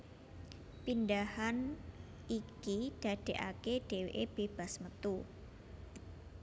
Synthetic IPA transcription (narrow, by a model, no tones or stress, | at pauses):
pindahan | ikid̥a̤d̥e̤ʔa̰keɖ̥e̤weʔeb̥e̤b̥asmət̪u